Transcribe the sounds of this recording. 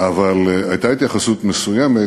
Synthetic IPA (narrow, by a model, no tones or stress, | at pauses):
avalajt̪ait̪jaχasut̪mesujeme